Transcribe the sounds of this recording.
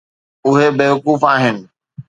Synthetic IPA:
ʊɦebeːʋʊkuːfaːɦɪnɪ̆

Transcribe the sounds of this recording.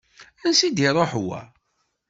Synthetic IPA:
ænsid̪iɾˤoħwæ̰

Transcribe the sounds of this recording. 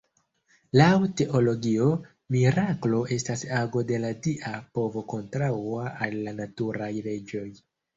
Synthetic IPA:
lawte̞ʔo̞lo̞ɡio̞ | miɾaklo̞ʔe̞stasaɡo̞de̞ladiʔapo̞vo̞ko̞ntɾaaʔalːanatuɾajle̞d͡ʒo̞j

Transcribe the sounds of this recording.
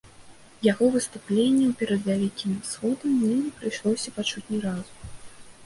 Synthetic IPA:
jaɣɔvɨst̪uplʲenʲːɛwpʲɛɾɐd̪dʲavʲikʲimʲsxɔd̪ɐmʲnʲɛmnʲɛpɾɨjʂlˠɔsʲɐpat͡ʂut͡sʲnʲiɾazu

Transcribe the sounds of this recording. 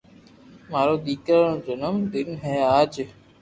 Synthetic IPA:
maːɾoːd̪iːkəɾõːd͡ʒʊnəmd̪ɪnɦɛːaːd͡ʒ

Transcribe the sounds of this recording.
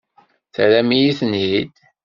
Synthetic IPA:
θɾæmijiθnɦid̪

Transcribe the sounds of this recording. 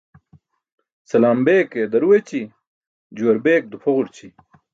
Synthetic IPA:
sɐlaːmbeːked̪ɐɾuwet͡ɕi | d͡ʑuwɐɾbeːk̚d̪upʰɐʁuɾt͡ɕʰi

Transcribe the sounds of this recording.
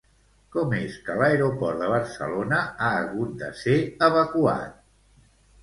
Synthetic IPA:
kɔmeskələeɾopɔɾt̪d̪əβ̞əɾsə̰lonəaːɣut̪̚d̪ə̰seəβəkua̰t̪̚

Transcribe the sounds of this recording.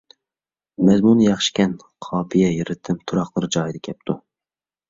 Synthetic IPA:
mɛzmunjɑχʃi̥kʲɛn | qʰɑːpʰijɛjeɾɪt̪ʰɪmt̪ʰuɾɑχlˠɨɾd͡ʒɑːjid̪ɛkʲʰɛp̚t̪ʰu

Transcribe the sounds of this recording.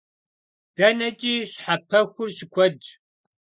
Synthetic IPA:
d̥ɐnɐt͡ʃʼiːɕħapʰɐxʷʊrɕɪkʷʰɔd͡ʒ

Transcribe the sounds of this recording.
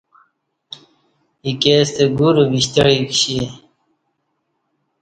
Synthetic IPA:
ikeːst̪eɡuɾubiɕt̪ɐɽikɕi

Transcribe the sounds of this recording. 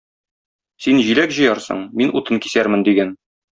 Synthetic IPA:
sinʑilækʑɤ̆jɑɾsɤ̰ɴminut̪ɤnkisæɾmɘnd̪iɡæn

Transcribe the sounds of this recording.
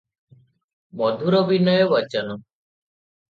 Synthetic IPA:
mɔd̪ʱuɾɔbinɔjɔbɔt͡ʃanɔ

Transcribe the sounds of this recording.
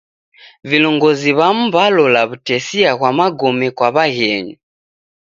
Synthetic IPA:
vilɔŋɡɔziβam̩balɔlaβutɛsiaɣwamaɡɔmɛkwaβaɣɛɲu

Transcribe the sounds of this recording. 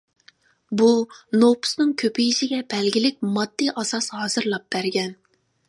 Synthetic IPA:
bunopu̥snɨŋkʲʰøpijiʃiɡʲɛbɛlɡʲilɪk̚ʲmɑd̪ːiʔɑsɑshɑːz̥ɨɾlˠɑp̚b̥æɾɡʲɛn

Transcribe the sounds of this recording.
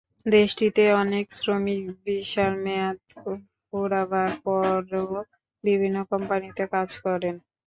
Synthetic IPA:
d̪eʃʈit̪eɔneksɾomikbiʃaɾmɛat̪ | koɾabaɾpɔɾo | bibʱinːokɔmpanit̪ekad͡ʑkɔɾen

